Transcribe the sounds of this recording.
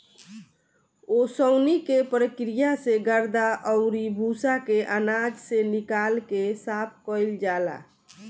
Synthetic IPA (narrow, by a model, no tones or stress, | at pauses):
osəʊnikepɾəkɾijaseɡəɾd̪aʔəʊɾibʱusakeʔanad͡ʒsenikalkesapʰkəɪld͡ʒala̰